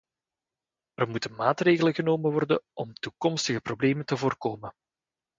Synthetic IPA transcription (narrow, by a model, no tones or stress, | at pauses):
ərmutənmaːtreːɣələɣənoːməʋɔrdənʔɔmtukɔmstəɣəprobleːməntəvoːrkoːmə